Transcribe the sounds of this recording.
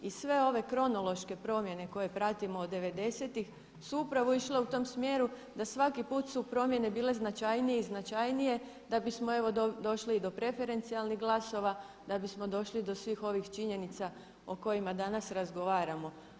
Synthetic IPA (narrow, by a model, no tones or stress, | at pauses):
isʋe̞o̞ʋe̞kɾo̞no̞lo̞ʃke̞pɾo̞mje̞ne̞ko̞je̞pɾat̪imo̞ːd̪ːe̞ʋe̞d̪e̞se̞t̪ix | suupɾaʋoiʃle̞ut̪o̞ːmsmjeɾu | d̪asʋakipuːt̪supɾo̞mje̞ne̞biːle̞znat͡ʃajnijeiznat͡ʃajnije̞ | d̪abismo̞e̞ʋo̞dd̪o̞ʃliːd̪o̞pɾe̞fe̞ɾe̞nt̪sialˠniɣɡlˠaso̞ʋa | d̪̥abismo̞d̪o̞ʃlid̪o̞sʋiːxo̞ʋixt͡ʃiɲe̞nit̪sa | oko̞jimad̪anasɾazɡo̞ʋaːɾamo̞